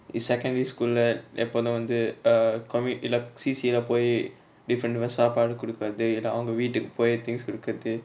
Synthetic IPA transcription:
ɪsɛkːɐ̃ɳɖɐɾiskuːllɐɛpːoːðɐ̃ʋɐnd̪ɯkɔmɪlːɐsiːsiɪlapoːji | ɖɪfɾɐɳɖʋɐsaːpaːɽɯkʊɽɯkːaːðɯɪlːɐɐʋɐŋɡɐʋiːʈːɯkːɯ̥poːjit̪ɪ̃ŋskʊɽɯkːɐɐðɯ

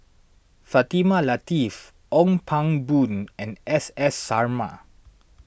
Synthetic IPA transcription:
fat̪imalat̪if | ɔ̃ŋpʰãŋbũnɛ̃nɛsɛsːaɹma̰

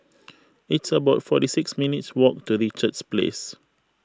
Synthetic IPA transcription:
itsəbaʊtfɔtisiksminitswɔk̚tuɹit͡ʃət͡ʃsplḛs

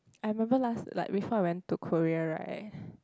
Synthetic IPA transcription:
aɪɹimɛ̃mbəlasla̰ɪk̚bifɔajwɛ̃ntːukʰoɹiəɹa̰ɪt̚

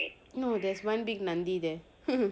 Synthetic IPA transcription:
noːd̪ɛːsʋʌ̃nbɪɡnɐ̃nd̪id̪ɛ | h

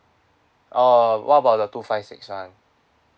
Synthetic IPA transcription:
ʔəwʔabadət̪ufaɪsɪ̰kswãn

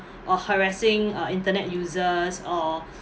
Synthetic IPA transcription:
ʔɔhəɹasɪ̃ŋĩntənɛtjuzəsɔ

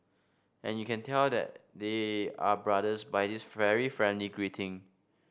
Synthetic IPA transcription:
ʔɛ̃njukɛ̃ntʰɛldɛ̰t̚deabɹadəsbajdisvɛɹifɹɛ̃ndliɡɹitʰɪ̃ŋ

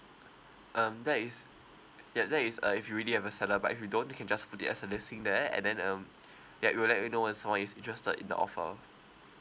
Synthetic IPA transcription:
ʔʌ̃mdɛtɪs | jadɛtisʌ̰ifjuɹilihɛvəsɛləba̰tifjudõnjukʰɛ̃nd͡ʒasputitɛ̰səlɪsĩŋdɛɛ̰̃ndɛ̃nʌ̃m | jawʔiwɪlɛʔinowɛ̃nsãmwɔ̃nisĩntɹɛstə̰dḭ̃ndə̰ʔɔ̰fə̰

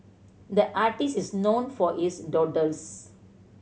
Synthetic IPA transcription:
d̪əʔaʈisisnõːnfɔisɖɔʈəs

